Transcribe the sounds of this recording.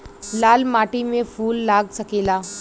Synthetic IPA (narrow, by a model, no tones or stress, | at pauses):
laːlmaːʈimẽfʰuːlːaːɡsɐkeːlaː